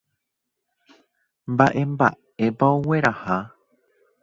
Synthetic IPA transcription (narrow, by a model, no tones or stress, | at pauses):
mbaʔemba̰ | epaoweɾaha